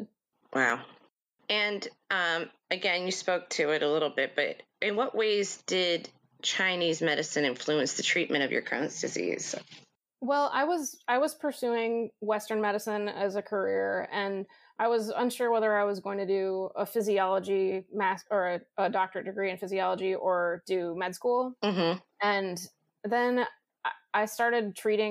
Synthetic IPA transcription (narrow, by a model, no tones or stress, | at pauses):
wa̰ʊ | ɨ̃nʔʌ̃m | ɨɡɛ̃njɨspoʊk̚tʰɨɪɾəlɪɾl̩ˠbɪt̚b̥ʌ̰ɾ | ʔɨ̃nwʌʔweɪzd̥ɪd̚ | t͡ʃʰãɪ̃nizmɛɾɨsɨ̃ñɪ̃ɱflʉɨ̃nsðɨtʰɹ̥it̚mʔɨ̃ɾ̃ʌvjə̰˞kʰɹ̥a̰ɨ̃nsd̥ɨzḭz̥ | wɛlˠʔa̰ɪwʌzaɪwʌz̥pʰə˞sʉɪ̃ŋwɛstə̃˞nmɛɾɨsɨ̃nɨzɨkʰə˞ɪɹɨ̃n | ʔaɪwʌzə̰̃nʃʊɹwɛðə˞aɪwʌzɡoʊɪ̃ŋtʰɨdɨəfɪziɑlˠəd͡ʒimæskə˞ɨʔədɑk̚tə˞dɨɡɹiɨ̃nfɪziɑlˠəd͡ʒiʔə˞d̥ɨmɛd̥skulˠm̩m̥m̩ | ɨ̃n | ðɨ̃n | aɪstɑɹɾɨd̚tʰɹ̥iɾɪ̃